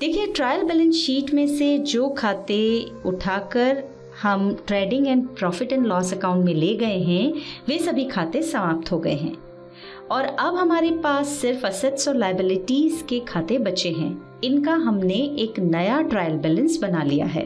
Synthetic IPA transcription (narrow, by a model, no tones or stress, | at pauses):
d̪̥eːkʰieʈɾaːjəlbɛːlə̃nsʃiːʈmẽsed͡ʒoːkʰaːt̪e | ʊʈʰaːkəɾ | hɐmʈɾɛːɖɪ̃ŋɡɛ̃ːnɖpɾɔːfɪʈɛ̃ɳʈlɔːsɐkãːʊ̃ɳʈmẽleːɡɐeɦɛ̃ʋesɐbʱikʰaːt̪esɐmaːp̚t̪ɦoɡɐḛɦɛ̰̃ː | ɔːɾɐbɦɐmaːɾepaːsːɪɾfɐsət̪sɔlaːɪəbɪlɪʈiːzkekʰaːt̪ebɐt͡ʃeɦɛ̰̃ː | ɪnkaɦɐmneʔeːknɐjaʈɾaːjəlbɛːlə̃nsbɐnalija̰ɦɛ̰ː